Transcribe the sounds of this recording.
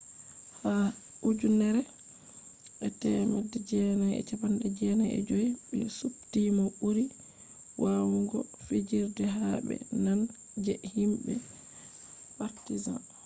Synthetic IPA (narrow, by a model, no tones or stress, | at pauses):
ha | ud͡ʒunɛɾɛ | ʔɛtɛmadɛd͡ʒɛnajɛ̰t͡ʃapandɛd͡ʒɛnajɛ̰d͡ʒoiɓɛ̰suptimaɓuɾi | wʔawuŋɡɔfid͡ʒiɾdɛɦabɛ̰nan | d͡ʒɛhimbɛ | paɾtiza̰n